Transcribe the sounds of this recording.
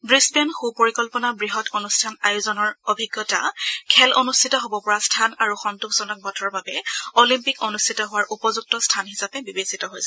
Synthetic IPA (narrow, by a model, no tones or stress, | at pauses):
bɹisbanxupoɹikɔlpɔnabɹiɦɔtonustʰanajuzɔnɔɹobʱiɡjɔta̰kʰɛlonustʰitɔɦobɔpɔɹastʰanaɹuxɔntuxz̥ɔnɔk̚bʱɔtʰɔɔbabɛolimpikonustʰitɔɦʊwaɹʔupɔzuk̚tɔstʰanɦisapɛbibesitɔɦojsɛ